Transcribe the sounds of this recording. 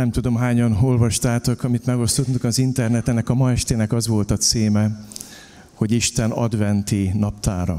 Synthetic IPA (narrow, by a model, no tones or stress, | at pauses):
nɛmt̪ud̪o̞mɦaːɲɒno̞lvɒʃt̪aːt̪okɒmit̪mɛɡo̞st̪ot̪ːukɒzint̪ɛrnɛt̪ɛnɛkɒmɒɛʃt̪eːnɛkɒzʋo̞lt̪ɒt̪seːmɛ | ho̞ɟiʃt̪ɛnɒ̰d̪vɛnt̪inɒpt̪aːɾɒ̰